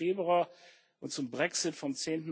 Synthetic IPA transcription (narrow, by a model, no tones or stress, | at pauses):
eːbʁua | ʔʊntt͡sʊmbʁɛksɪtfɔmt͡seːntn̩